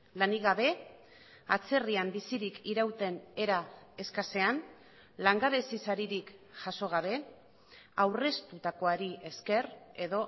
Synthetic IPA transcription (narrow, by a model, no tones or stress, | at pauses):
laniɣaβe̞ | at͡se̞riambisiɾikiɾawt̪e̞ne̞ɾae̞skase̞an | laŋɡaβesisaɾiɾikʝaso̞ɣaβ̞e̞ | awre̞st̪ut̪ako̞aɾie̞ske̞re̞ðo̞